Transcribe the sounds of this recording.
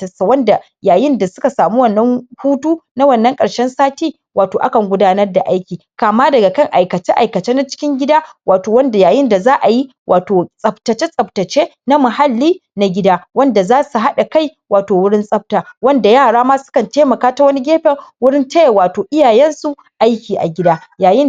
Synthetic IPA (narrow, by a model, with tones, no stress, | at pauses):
wɐ˦nda˨ | jaː˨jɪ˦nda˨sʊ˦ka˨saː˨mu˦wɐ˦˨nːɐ˦ŋhuː˦tuː˦na˦wɐ˦˨nːɐ˦ŋkʼɐ˨ɽʃɛ˦nsaː˦tiː˦ | wʔaː˨toː˨ʔa˦kɐ˨ŋɡʷʊ˦daː˦nɐ˦rda˨ʔa˦jkʲiː˨kaː˨maː˦dɐ˨ɡa˨kɐ˦ŋʔa˨jkɐ˨t͡ʃe˦ʔa˨jkɐ˨t͡ʃeː˦na˦t͡ʃɪ̥˦kʲɪ˦ŋɡʲɪ˦daː˦waː˨toː˨wɐ˦nda˨jaː˨jɪ˦nda˨zaː˦ʔa˨ji˦ | wʔaː˨toː˨sʼɐ˨btɐ˨t͡ʃe˦sʼɐ˨b̚tɐ˨t͡ʃeː˦ | na˦mʊ˨ɦa˦lːiː˦na˨ɡʲɪ˦daː˦wɐ˦nda˨zaː˦su˨ɦa˦ɗa˨ka˦˨j | waː˨toː˨wʊ˦ɽɪ˦nsʼɐ˦p̚taː˨wɐ˦nda˨jaː˦˨ɽaː˦maː˦sʊ̥˦kɐ˨nteː˦mɐ˨kaː˦ta˦wɐ˦ni˦ɡʲeː˦ɸɛ˨rwʊ˦ɽɪ˦nte˦jwaː˨toː˨ʔɪ˦jaː˨jɛ˦nsu˨ | ʔa˦jkʲiː˨ʔa̰˨ɡʲɪ˦daː˦jaː˨jɪ˦n